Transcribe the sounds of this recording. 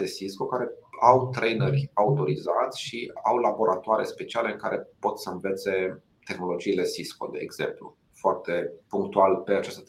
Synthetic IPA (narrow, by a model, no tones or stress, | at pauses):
esisko̞kaɾe̞awt̪ɾejnerʲaut̪o̞ɾizat̪sʲʃiawlabo̞ɾʔa̰t̪oaɾe̞̰spe̞t͡ʃiale̞ɨŋkaɾʔe̞po̞t̪səɨnve̞t̪se̞ | t̪e̞xno̞lo̞d͡ʒiːle̞sisko̞̰d̪e̞ːɡz̥e̞̰mplṵ | foart̪e̞puŋk̚t̪ualpe̞at͡ʃast̪ə